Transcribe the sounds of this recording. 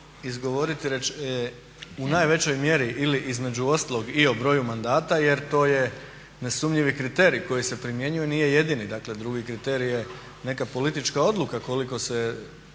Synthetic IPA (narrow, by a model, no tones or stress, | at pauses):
izɡo̞ʋo̞ɾit̪iɾet͡ʃ | unaːjʋe̞t͡ɕo̞jmje̞ɾiʔiliʔizme̞d͡ʒuo̞st̪alˠo̞ɡiobɾo̞ːjumand̪aːt̪aje̞ɾt̪o̞ːje̞ | ne̞sumʎiʋikɾit̪e̞ɾiko̞jise̞pɾimje̞ɲuje̞niːje̞je̞d̪inid̪akle̞d̪ɾuɡikɾit̪e̞ɾije | ne̞kapo̞lit̪it͡ʃkao̞d̪lˠukako̞liko̞se